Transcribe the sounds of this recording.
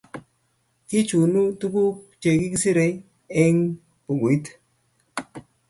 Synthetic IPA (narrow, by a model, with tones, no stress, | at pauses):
ki˦t͡ʃu˨nu˦tu˦ku˦t͡ʃe˨ki˦ki˦si˦ɾe˧ | e˦ŋ | pu˨ɡu˨i˦t